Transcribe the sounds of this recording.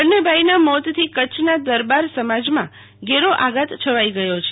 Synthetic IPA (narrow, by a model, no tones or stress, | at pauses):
nebʱajnamɔt̪t̪ʰikət͡ʃʰnad̪əɾbaɾsəmad͡ʒmã | ɡeɾoʔaɡət̪t͡ʃʰəʋaiɡəjot͡ʃʰe